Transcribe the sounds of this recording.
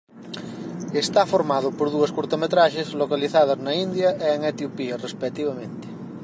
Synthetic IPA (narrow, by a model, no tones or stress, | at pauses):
est̪afoɾmaðopoɾðuɐskuɾt̪omet̪ɾaʃezlokaliθað̞aznaind̪jɐʔeːŋet̪jopiarespet̪iβamẽnt̪e̥